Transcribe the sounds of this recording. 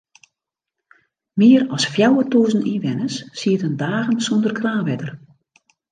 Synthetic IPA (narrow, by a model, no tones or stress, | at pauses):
mɪːərɔsfjawətuːzn̩inʋɛnəsːiətəndaːɣənsondərkʰraːnʋɛdər